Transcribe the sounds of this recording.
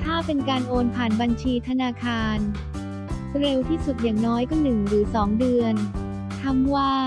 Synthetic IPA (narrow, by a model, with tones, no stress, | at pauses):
t̪ʰaː˥˩pe˧nkaː˧nʔoː˧npʰaː˨˩nba˧nt͡ɕʰiː˧t̪ʰa˧naː˧kʰaː˧n | ɾe˧wt̪ʰiː˥˩su˨˩t̪̚jaː˨˩ŋnɔː˦˥jkɔː˥˩nɯ˨˩ŋɾɯː˩˦sɔː˩˦ŋdɯ˧ən | t̪ʰa˧mwaː˥˩